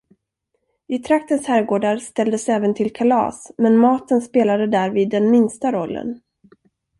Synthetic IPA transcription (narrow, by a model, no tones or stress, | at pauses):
ɪt̪ʰɾak̚t̪ənshæːɾɡoːɖaɾst̪ɛld̪əsɛːvənt̪ʰɪlkʰalɑ̰ːsmɛnmɑːt̪ənspeːlad̪əd̪æːɾviːd̪ːɛnmɪnst̪aɾɔlːə̰n